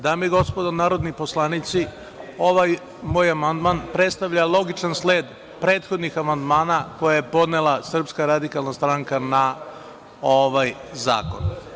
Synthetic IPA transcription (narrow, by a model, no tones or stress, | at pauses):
d̪amiɡo̞spod̪onaːɾo̞d̪niposlˠanit̪si | o̞ʋaj | moːjamand̪manpɾe̞t̪st̪aʋʎalˠo̞ɡit͡ʃansleːd̪ | pɾe̞ːt̪xo̞d̪nixamand̪maːnako̞jajepo̞d̪nelasr̩pskaɾad̪ikalˠnast̪ɾaŋkana | oʋajza̰ːko̞̰n